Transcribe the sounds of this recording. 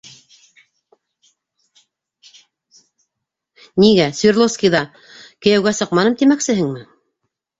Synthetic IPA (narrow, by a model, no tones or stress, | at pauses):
niɡæsvʲirlˠofskijðɑ | kɘ̆jæwɡæsɤ̆qmɑnɤmt̪imæksɘ̆ɦɘŋmɘ